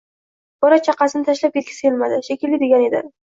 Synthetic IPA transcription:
b̥ɒɾat͡ʃʰɑqɑsɪnɪt̪ʰaʃlap̚kʲe̞t̪̚ʲkʲʰḁselmad̪ɪʃekʲɪlːɪd̪e̞ɡʲane̞d̪ɪ̰

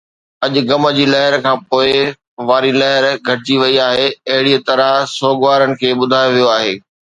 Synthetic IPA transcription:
ɐʄʊ̆ɡɐmə̆d͡ʑiːlɐɦɪɾkʰãːpoːɪ | ʋaːɾilɐɦɪɾɡʱɐʈɪd͡ʑiʋɐiaːɦeɐɦɪɽiət̪ɐɾasoːɡʋaːɾənɪ̆kʰeːɓʊd̪ʱaːjoʋijoaːɦeː

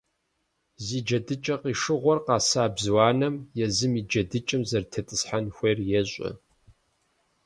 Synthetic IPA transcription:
ziːd͡ʒɐdɨt͡ʃʼɐqiːʂɨʁʷɔrqɑːsaːbzwɑːnɐmjɛzɨmiːd͡ʒɐdɨt͡ʃʼɪmzɐrtʰɐtʼɨsħanxʷerjɛɕʷʼɪ̰

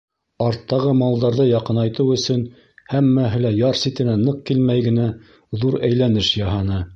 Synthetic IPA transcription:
ɑɾt̪ːɑʁɤmɑlˠd̪ɑɾðɤjɑqɤnɑjt̪ɤwɵ̆sɵn | hæmːæɦɘ̆læjɑɾsit̪ɘ̆nænɤq̚kilmæjɡɘ̆næ | ðuɾæjlænɘʃjɑɦɑnɤ

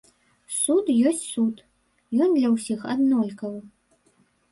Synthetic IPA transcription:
sut̪jɔsʲt͡sʲsut̪ | jɔnd̪lʲɐwsʲixa̰d̪nɔlʲkɐw

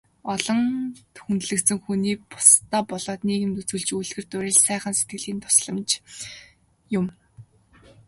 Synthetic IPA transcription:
ɔɮɞ̆ŋt̪ʰu̥xunt̪ɮɘ̆kt̪sɘ̆ŋxuniːpʊ̥st̪aːpɔɮɔːt̪neːɣɘ̆mt̪ut͡suːɮt͡ɕuɮɣɘ̆rt̪ʊɾʲɪ̆ɮsæːχə̆nset̪̚ɡɘ̆ɮiːnt̪ʰʊ̥sɮɞ̆mt͡ɕ | jʊm

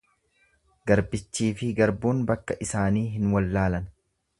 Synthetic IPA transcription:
ɡɐɾbɪt͡ʃːiːfɪɡɐɾbuːnbɐkːɐʔɪsaːniːɦɪnwɐlːaːlɐn

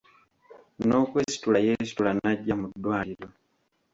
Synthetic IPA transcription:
no̞kwe̞ːsi̥tulajesi̥tulanaɟːamud̪waːliɾo

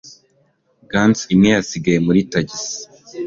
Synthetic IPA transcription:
ɡansimɲejasiɡajemuɾitaɟisi̥

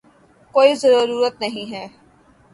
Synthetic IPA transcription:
koːizɐɾuːɾuːɾət̪nɐɦĩɦɛː

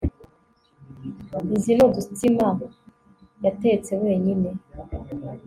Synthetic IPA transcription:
izinodustima | jateet͡se̞we̞ːɲine̞

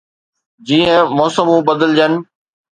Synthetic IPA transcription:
d͡ʑiːə̃mɔːsəmũbɐd̪əld͡ʑənɪ̆

